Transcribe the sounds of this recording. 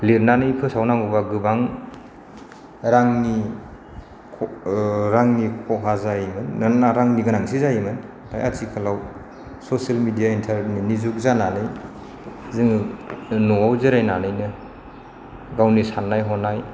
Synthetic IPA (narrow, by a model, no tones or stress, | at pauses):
liɾnanɯipʰɯsawnaŋubaɡɯbaŋ | ɾaŋni | ɾaŋnikʰɔɦazajmɯnːanaɾaŋniɡanaŋsizajmɯn | tʰa̰jatʰikʰalaw | sɔsialmidijaintʰaɾninizuk̚zananɯj | zɯŋ | nɔawzɯɾajnanɯjnɯ | ɡawnisanːajɦɔnaj